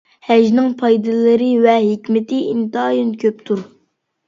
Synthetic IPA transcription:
hɛʒnɪŋpʰɑjd̪ɨlˠɨɾɨvɛɦekʲmɪt̪ʰɪint̪ɨɑjɨnkʲʰøp̚t̪ʰuɾ

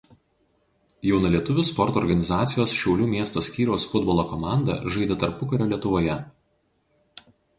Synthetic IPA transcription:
jɛʊnɐlʲiɛt̪ʊʋʲʊspɔɾt̪ɔːɾɡɐnʲɪzɑːt̪sʲɪjoːsʃʲɛʊlʲuːmʲiɛst̪osʲkʲiːɾʲɛʊsfʊd̪bɔlˠoːkɔmɑˑnd̪ɐ̰ʒɐɪd̪ʲeːt̪ɐɾpʊkɐɾʲoːlʲiɛt̪ʊʋoːjɛ

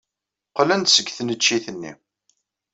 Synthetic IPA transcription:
qlænt̪səɡːθnət͡ʃːiθənːḭ

